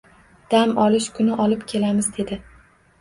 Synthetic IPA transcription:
d̪̥amɒlɪʃkʰʊnɪʔɒlɪpkʲʰe̞lamɪzd̪e̞d̪ɪ

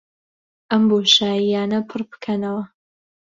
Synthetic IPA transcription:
ʔɐmboːʃaːjijaːnɐpʰɨɾbɨ̥kʰɐnɐwɐ

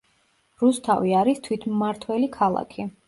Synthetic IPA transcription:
ɾust̪ʰa̰viaɾist̪ʰwit̪ʰːaɾt̪ʰwɛlikʰalˠa̰kʰi

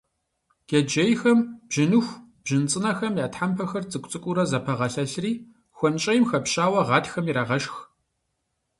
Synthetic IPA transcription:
ɡ̥ed͡ʒejxɐmb̥ʒɪnuxʷ | b̥ʒɪnt͡sʼɨnɐxɐmjaːtħampʰɐxɐrt͡sʼɨkʷʼt͡sʼɨkʷʼʊɾɐzɐpʰɐʁɐɬɐɬriː | xʷɔnt͡ʃʼɐjmxɐpɕʼaːwɐʁɑːtxɐmiɾaːʁɐʃx

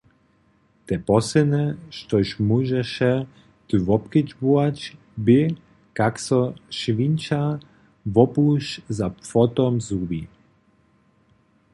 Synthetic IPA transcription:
t̪ɛpɔsɛnɛʃt̪ɔʃmuʒɛʃɛ | t̪ɨvɔpkəd͡ʑbuat͡ɕ | bɪ | kaksɔʃvint͡ʃa | vɔpuʃzapfɔt̪ɔmzubi

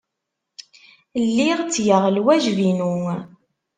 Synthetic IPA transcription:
lːiʁt͡sːjəʁlwæʒvinuŋ

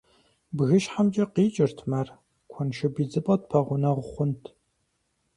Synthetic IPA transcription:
bɣɨʃħamd͡ʒʼɐqiːt͡ʃʼɪrtʰmɐr | kʷʰɔnʃɐbiːd͡zɨpʼɐt̚pʰɐʁʷʊnɐʁʷʊχʷʊntʰ

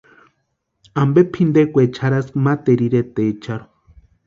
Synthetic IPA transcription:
ambepʰind̪ekʷet͡ʃʰaɾaskmat̪eɾiɾet̪et͡ʃaɾo

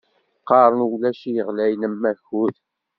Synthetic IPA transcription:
qɑɾˤənwlæʃijəʁlæjnəmːæçuð

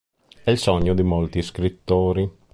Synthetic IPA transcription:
ɛilsɔɲːod̪imolt̪iskɾit̪ːoːɾi

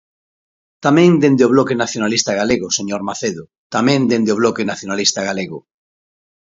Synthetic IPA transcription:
t̪amẽŋd̪end̪eoβlokenaθjonalist̪aɣ̞aleɣʊseɲoɾmaθeðʊ | t̪amẽnd̪end̪eoβ̞lokenaθjonalist̪aɣaleɣʊ

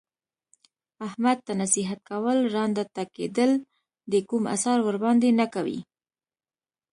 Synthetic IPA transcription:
ahmad̪̚t̪ːanasiɦat̪̚kawəlɾɑnd̪at̪akḛd̪əl | d̪əkuma̰sɑɾwəɾbɑnd̪enakawḭ

